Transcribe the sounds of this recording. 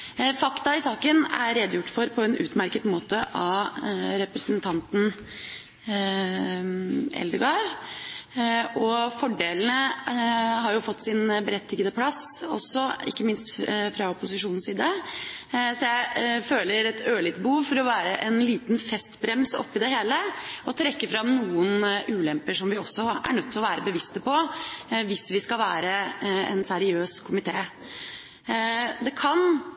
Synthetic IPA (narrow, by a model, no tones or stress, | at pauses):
fɑkt̪ɑɪsɑːkənæ̰ɾɾɛd̪jʊʈːfɔɾpʰɔɛnʔʉ̰ːt̪mæɾkət̪moːt̪əʔɑ | ɾɛpɾɛsənt̪ʰɑnt̪n̩ | ɛ̰ld̪əɡɑɾ | ɔfɔɖeːln̩ə | ɦɑɾjʊfɔt̪ːsɪnbəɾɛt̪ʰːɪɡəd̪əpʰlɑs | ɔ̰sːɔɪ̰kːəmɪnst̪fɾɑɔpʊsɪʂuːnn̩siːd̪ə | sɔjæɪføːləɾɛt̪ʰøːlɪt̪bəhuːʋfɔɾɔʋæːɾəʔɛnliːt̪nfɛst̪bɾɛmsɔ̰pːɪd̪ɛɦeːləɔt̪ʰɾɛkːəfɾɑmnuːənʉːlɛmpəʂɔmʋɪɔsːɔæ̰ɳœt̪ʰːɪlɔʋæːɾəbəʋɪst̪əpɔʋɪsʋɪskɑlʋæːɾəɛ̰nsæɾɪøːskʰʊmɪt̪ʰeː | d̪ɛkʰɑn